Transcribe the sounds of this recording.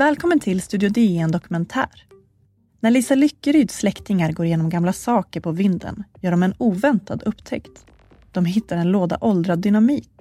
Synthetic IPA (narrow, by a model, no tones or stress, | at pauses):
vɛːlkʰɔmːənt̪ʰɪlst̪ʉːd̪ɪʊd̪ɪɛnd̪ɔkɵmɛnt̪ʰæ̰ːɾ | næɭiːsalʏkːəɾyːd̪slɛkt̪ɪŋaɾɡoːɾjeːnɔmɡamlasɑːkəɾpʰɔvɪnd̪ə̰njœːɖɔmɛnuːvɛnt̪ad̪ɵpːt̪ʰɛ̰kt̪ | d̪̥ɔmɦɪt̪ːaɾɛnloːd̪a̰ʔɔld̪ɾad̪ːʏnamiːk